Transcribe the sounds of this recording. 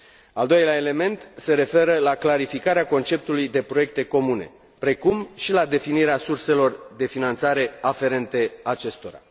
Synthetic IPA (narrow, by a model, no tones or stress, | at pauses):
ald̪o̞jleaele̞me̞nt̪se̞ɾe̞fe̞ɾəlaklaɾifikaɾeako̞nt͡ʃe̞p̚t̪ulujd̪e̞pɾo̞je̞k̚t̪e̞ko̞mune̞̰ | pɾe̞kumʃilad̪e̞finiɾeasurse̞lo̞rd̪e̞finant̪saɾe̞afe̞ɾe̞nt̪e̞at͡ʃe̞st̪o̞ɾa̰